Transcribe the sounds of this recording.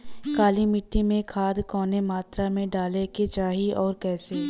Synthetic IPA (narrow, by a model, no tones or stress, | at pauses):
kaːlimɪʈːimẽkʰaːd̪kɔːnemaːt̪ɾamẽɖaːleket͡ʃaːɦiɔːɾkɛːse